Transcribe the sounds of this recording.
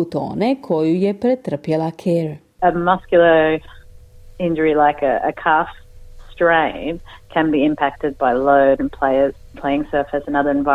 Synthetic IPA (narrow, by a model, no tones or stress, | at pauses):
ut̪o̰ːnekʰojujepɾet̪r̩pjelakʰeɾ | əmʌskjl̩ˠə˞ | ɪ̃nd͡ʒə˞ilaɪkɨ̰ʔə̰kʰɑf | stɹ̥ẽɪ̃bkʰɨ̃nbiɪ̃mpʰæk̚tɨd̚baɪloʊɾɨ̃npʰl̥eɪəz̥pʰl̥eɪɪ̃ŋsɜ˞fɨsɨ̃nʌðə˞ɨ̃nva